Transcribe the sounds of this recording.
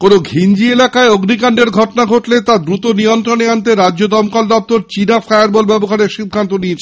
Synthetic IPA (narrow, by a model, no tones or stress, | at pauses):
konoɡʱind͡ʑielakaeoɡnikaɳɖeɾɡʱɔʈonaɡʱoʈlet̪ad̪ɾut̪onijont̪ɾoneant̪̬eɾadːod̪ɔmkɔld̪ɔp̚t̪oɾt͡ɕinafaeaɾbɔlbɛboɦaɾeɾʃid̪ʱant̪oniet͡ɕʰe